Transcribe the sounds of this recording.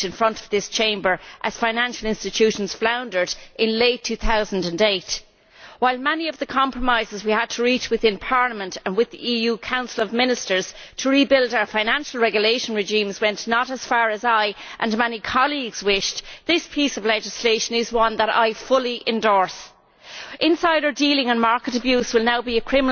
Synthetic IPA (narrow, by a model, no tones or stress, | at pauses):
ɨ̃nfɹʌ̃ntʰʌvðɪst͡ʃʰẽɪ̃mbə˞ʔəz̥fãɪ̃næ̃nʃəl̩ˠɪ̃nstɨtʰʉʃn̩z̥flãʊ̃ndə˞ɾʔɪ̃nleɪtʰʉθaʊzə̃n̩də̃ndeɪt | waɪlˠmɛniʌvðəkʰɑ̃mpɹ̥əmaɪzɨzwiəd̚tʰəɹit͡ʃwɨðɪ̃npʰɑɹləmə̃ntə̃nwɪðḭʔijuːkʰãʊ̃nsəlʌvmɪ̃nɨstə˞z̥ | tʰəɹibɪldaʊə˞fãɪ̃ñæ̃nʃəl̩ˠɹɛɡjəleɪʃə̃n̩ɹɪʒĩmzwɛ̃nnəɾəz̥faːɹəzaɪʔə̃nmɛnikʰɑliɡz̥wɪʃðɪspʰisʌvlɛd͡ʒɨsleɪʃə̃nɪzwʌ̃nðəɾa̰ɪfʊlˠiʔɪ̃ndɔɹs | ʔɪ̃nsaɪɾə˞dilɪ̃ŋə̃nmaɹkəɾəbjʉzwɪlˠnaʊbiəkʰɹ̥ɪ̃mən